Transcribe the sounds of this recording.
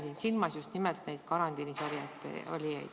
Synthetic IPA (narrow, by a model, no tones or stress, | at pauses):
d̪iːnsilmɑsjust̪nimelt̪nejd̪̥̚kɑɾɑnt̪inisovijɑt̪ːˑḛo̰lʲiḛj̥̪